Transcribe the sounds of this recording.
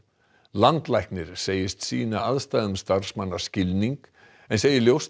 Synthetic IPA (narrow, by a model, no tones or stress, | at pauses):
lant̪lajhknɪɾ̥seːjɪst̪siːnaaðst̪aːðʏmst̪ar̥smanːḁscɪlniŋk | ɛnseːjɪljows